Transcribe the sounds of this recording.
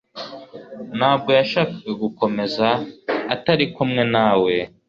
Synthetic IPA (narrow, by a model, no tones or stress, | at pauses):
naːb̚ɡo̞jaʃaːkaɡaɡuko̞me̞zaːtaɾikumŋe̞naːwe̞